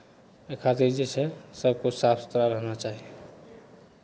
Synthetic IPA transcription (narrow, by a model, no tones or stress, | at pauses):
ekʰat̪iɾd͡ʒet͡ʃʰɛsəbkosapst̪ɾaɾəɦnat͡ʃaɦi